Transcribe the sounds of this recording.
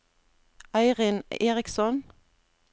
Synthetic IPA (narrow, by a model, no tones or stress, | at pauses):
ʔɑɪʁɪneːʁɪksɔn